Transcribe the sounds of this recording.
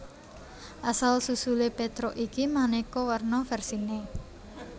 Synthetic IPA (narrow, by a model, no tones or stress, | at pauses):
ʔasalsusulepet̪ɾɔʔikimanekɔwərnɔfɛrsine